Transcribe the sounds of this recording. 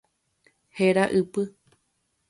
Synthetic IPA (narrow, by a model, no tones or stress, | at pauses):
heɾaʔɨpɨ